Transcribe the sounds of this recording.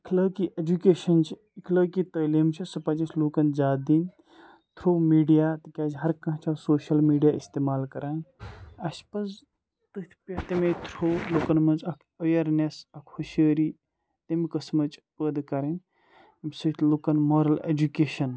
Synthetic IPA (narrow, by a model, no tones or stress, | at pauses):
ikʰləkiʔed͡ʒukeːʃɐnt͡ʃʰi | ikʰləkit̪ɐlemt͡ʃʰisɐpɐd͡ʒɐt͡ʃʰloːkɐnd͡ʒaːd̪in | t̪ʰɾowmiːɖijat̪ikʲaːd͡ʒɦɐɾkɐ̃ɦt͡ʃʰasoːʃɐlmiːɖijaist̪eːmaːlkɐɾaːnɐspɐz | t̪ɨt̪ʰpɐt̪ɐmet̪ʰɾowloːkɐnmɐnt͡ʃɐkʰəjɐɾnesɐkʰhuʃəːɾi | t̪emikɐsmɐt͡ʃpəd̪kɐɾɐn | mʲsət̪ʰloːkɐnmoːɾɐlḛd͡ʒukeːʃɐn